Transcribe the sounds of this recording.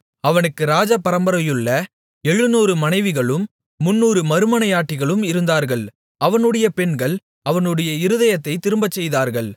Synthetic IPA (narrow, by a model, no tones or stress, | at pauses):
ɐʋɐnɯkːɯɾaːd͡ʒɐpːɐɾɐmbɐɾɐjɯɭːɐ | ɛɻːɯnuːɾɯmɐnɐɪʋɪɣɐɭɯmː | ʊnːuːɾɯmɐɾɯmɐnɐjaːʈːɪɣɐɭɯmɪɾɯnd̪aːɾɣɐɭ | ʔɐʋɐnɯɽɐjɐpɛɳɡɐɭ | ʔɐʋɐnɯɽɐjɐɪɾɯðɐjɐt̪ːɐɪt̪ːɪɾɯmbɐt͡ʃːɛjðaːɾɣɐɭ